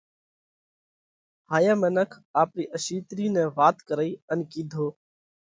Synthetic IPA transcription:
haːjaːmeːnəkʰaːpɾiːʔəʃiːt̪ɾiːnẽːʋaːt̪kəɾəiːənkiːd̪ʱoː

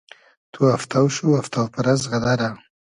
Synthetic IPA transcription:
t̪ʰuaft̪awʃuaft̪awpaɾazɣad̪aɾa

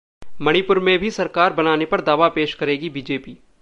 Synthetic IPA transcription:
mɐɽ̃ipʊɾmẽbʱisɐɾkaːɾbɐnaːnepɐɾd̪aːʋapeːʃkɐɾeːɡibiːd͡ʒeːpiː

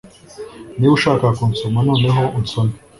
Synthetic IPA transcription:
niwuʃaːkakunsomanoːne̞ɦo̞unsomi

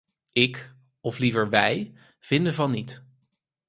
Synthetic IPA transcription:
ɪk | ɔflivəɹʋɛj | v̥ɪndəvɑnːit

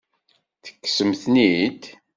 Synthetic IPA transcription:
θə̥kːsəmθnid̪

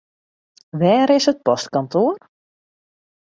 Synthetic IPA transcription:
ʋɛːɾɪsət̚pɔstkɔntoːr

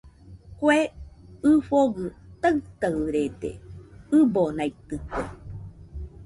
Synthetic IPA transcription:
kweɨfoɡɨt̪aɨt̪aɾed̪ḛɨbonait̪ɨkwe

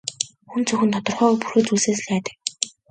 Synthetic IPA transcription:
xunt͡sʰɵxɘ̆nt̪ʰɔt̪ɞ̆rχœːɣɔːpuxɵ̆ːt͡suɮseːsɮæːt̪ə̥̆k̚

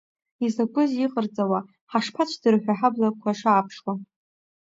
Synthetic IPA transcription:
izakʷʼʊziqʼərt͡sʼawa | ħaʂpʰat͡ʃʷʰdɨrħʷᶣaħablakʷʰaʂaːpʰʂwa

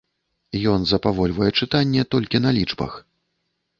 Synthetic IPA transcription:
jɔnzɐpavɔlʲvɐjɛt͡ʂɨt̪anʲːɛt̪ɔlʲkʲin̪ɐlʲit͡ʂbɐ̰x

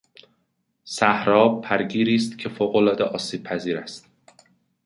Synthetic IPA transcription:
sæhɾɒːb̚pʰæɾɟiːɾiːst̪cʰe̞foːɣolɒːd̪eʔɒːsiːb̥̚pʰæziːɾæst̪

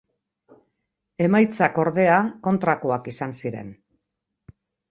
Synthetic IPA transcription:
e̞majt͡sako̞ɾðe̞ako̞nt̪ɾakoakisansiɾe̞̰n

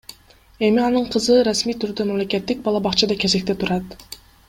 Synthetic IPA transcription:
e̞miɑnɯɴqʰɯzɯɾasmijt̪ʰyɾd̪ømamle̞kʲe̞t̪ːik̚bɑlˠɑbɑqt͡ʃʰɑd̪ɑkʲe̞ze̞kt̪e̞t̪ʰuɾɑt̪

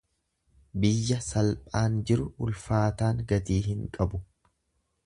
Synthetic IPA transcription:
bɪjːɐsɐlpʼaːnd͡ʒɪɾʊʔʊlfaːt̪aːŋɡɐt̪iːhɪŋkʼɐbʊ

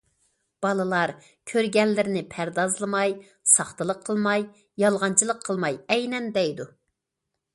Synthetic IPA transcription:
b̥ɑlˠɨlˠɑɾ | kʲʰøɾɡʲɛnlːɪɾɪnɪpʰæɾd̪ɑzlˠɨmɑj | sɑχt̪ɨlˠəqʰːəlˠmɑj | jɑlˠʁɑnt͡ʃʰɨlˠəqʰːəlˠmɑjɛjnɛnd̪ɛjd̪u

